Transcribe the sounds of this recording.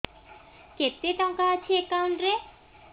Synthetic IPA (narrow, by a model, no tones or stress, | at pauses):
ket̪ːet̪ɔŋkat̪ʰiekːanɾe